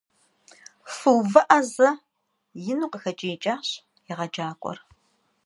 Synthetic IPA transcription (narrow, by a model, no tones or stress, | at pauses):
fɨwvɐʔɐzɐ | jɪnuːqəxɐt͡ʃʼijɪt͡ʃʼaːɕ | jɪʁɐd͡ʒaːkʷʼɔ̰r